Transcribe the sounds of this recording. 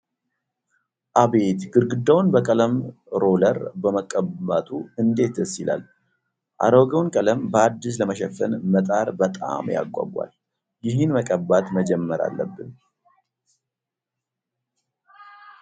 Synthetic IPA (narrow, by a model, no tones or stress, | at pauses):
ʔaβe̞t̪ɡɨɾɡɨd̪ːawnbəkʼələm | ɾo̞ləɾbəməkʼəbat̪ʼuɨnd̪e̞t̪ʰɨsɪla̰l | ʔa̰ɾəwɡəwnkʼələmbəad̪ːis̬ləməʃɛfənmət̪ʼaɾbət̪ʼa̰mja̰ɡʷʼa̰ɡʷːa̰l | jɪɦɨnməkʼəbat̪məd͡ʒɛmːəɾa̰lːəbːɨn